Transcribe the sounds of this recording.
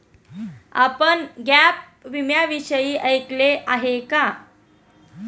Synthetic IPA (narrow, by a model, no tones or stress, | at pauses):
a̰pəɳɡap̚ | ʋimjaʋiɕəjiːʔəjkleʔaɦeka